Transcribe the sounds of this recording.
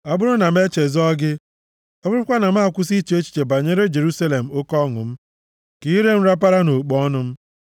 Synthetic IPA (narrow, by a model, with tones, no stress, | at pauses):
a˨bʊ˦ɾʊ˦na˨m̩˦e˦t͡ʃe˨zɔ˦ɡɪ˦ | ɔ˦ʊ˦ɾʊ˦kʷa˦na˨m̩˦˨kʷʊ˦si˦t͡ʃe˦t͡ʃi̥˨t͡ʃe˨ba˨ɲe˦ɾe˦d͡ʒe˨ɾu˦sa˦le˨m̩˨o˦kɔ˦ŋʊ̰˨m̩˦ | ki˦ɾe˦m̩˦ɾa˦p̬a˦ɾa˦no˨k͡pɔ˦nʊ˦m̩˦